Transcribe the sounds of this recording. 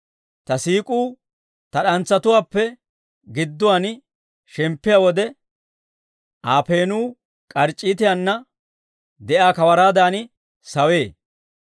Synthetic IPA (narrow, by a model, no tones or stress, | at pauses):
t̪ɐsiːkʼuː | t̪ɐɗɐnt͡sːɐt̪ʊwaːpːɛ | ɡɪd̪ːʊwan | ʃɛmpːɪjawɔd̪ɛ | ʔaːpe̞ːnuː | kʼɐɾt͡ʃʼːiːt̪ɪjanːɐ | d̪ɛʔaːkɐwɐɾaːd̪aːnɪ | sɐwe̞ː